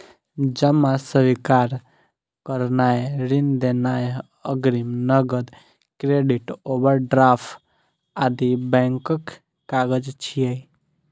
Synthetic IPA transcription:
d͡ʒəmasəʋikaɾ | kəɾnaeɾind̪enae | əɡɾimnəɡəd̪ | kɾeɖiʈobəɾɖɾaːpʰʈ | ad̪ibɛ̃ŋkəkː | aɡəd͡ʒt͡ʃʰijəj

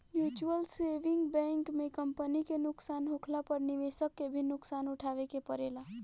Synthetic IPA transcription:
mjut͡ʃuəlseʋiŋɡbɛ̃ŋkmekəmpənikenʊksanɦokʰlapəɾniʋesəkːebʱinʊksanuʈʰaʋekepəɾela

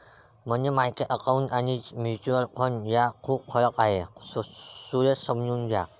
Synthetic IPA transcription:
m̤ənd͡ʑemajkeʔəkaunanimjut͡ɕuəlkʰonjakʰuːp̚kʰɔɾəkaɦe | suɾesəmd͡ʑuːnɡʱja

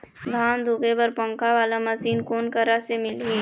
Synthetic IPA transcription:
d̪ʱaːnd̪ʱuːkebəɾpə̃ŋkaʋaːlaməsiːnkoːnkəɾasemɪlɦiː

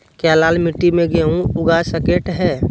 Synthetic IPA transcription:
kjalaːlmɪʈːimẽɡeũʊɡasəkeʈɦɛː

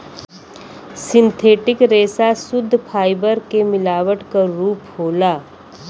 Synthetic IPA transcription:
sɪ̃nt̪ʰeːʈɪkɾeːsasʊd̪ʱːpʰaːɪbəɾkemɪlaːʋəʈkɐɾuːpɦoːlaː

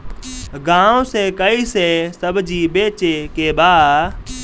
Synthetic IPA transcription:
ɡãːõseːkəiːseːsəbʱd͡ʒiːɓeːt͡ʃeːkeːɓaː

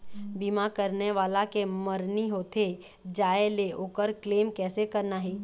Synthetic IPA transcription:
biːmakəɾneʋaːlakeməɾniɦoːt̪ʰe | d͡ʒaːeleoːkəɾkleːmkɛːsekəɾnaɦɛː

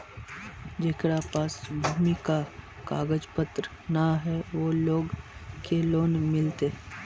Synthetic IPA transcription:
d͡ʒeːkɽapaːsbʱuːmika | kaːɡəd͡ʒpət̪ɾə | naɦɛʋoːloːɡkeloːnmɪlt̪eɦ

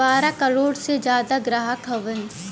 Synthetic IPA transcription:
aːɾakəɾoːɽsed͡ʒjaːd̪aɡɾaːɦəkʰəʋən

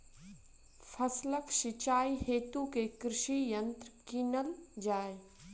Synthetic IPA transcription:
fʰɐsləkʃɪt͡ʃaːiɦeːt̪ukekɾɪʃijə̃nt̪ɾkinəld͡ʒaːe

